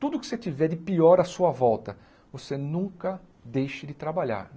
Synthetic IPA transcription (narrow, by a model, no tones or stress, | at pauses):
t̪ud̪ʊkɪ̥set͡ʃ̪ivɛɾd͡ʒɪpiɔɾɐsuɐvɔwt̪ɐ | vosenũŋkɐ | d̪ejʃɪd͡ʒɪt̪ɾabaʎa̰ɾ